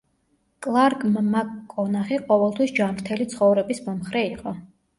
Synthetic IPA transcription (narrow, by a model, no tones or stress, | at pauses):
kʼlˠaɾkʼmmakkʼɔnaχiqʼɔvɛlˠt̪ʰwisd͡ʒamɾt̪ʰɛlit̪sʰχɔvɾɛbismɔmχɾɛiqʼɔ